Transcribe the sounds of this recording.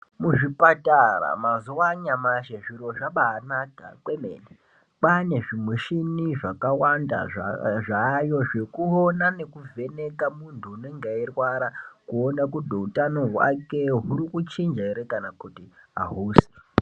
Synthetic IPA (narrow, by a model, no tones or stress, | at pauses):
muʐipatara̰mazuwaɲamaʃeʐiɾo̞ʐaɓaːnaka̰kwemḛne | pane̞ʐimweʃiniʐakawanda̰ʐajo̞ʐe̞kuonane̞kuvʱe̞ne̞kamuntʰuːne̞ŋɡairwaɾakuo̞nakudʱoutano̞ɦwa̰ke̞ɦuɾikut͡ʃind͡ʒaiɾekanakutiɦa̰ɦuːsi̥